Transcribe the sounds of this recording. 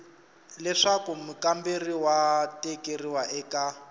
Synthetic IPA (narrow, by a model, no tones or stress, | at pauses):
lɛʂakumukamberiwatɛkeriwaʔɛːka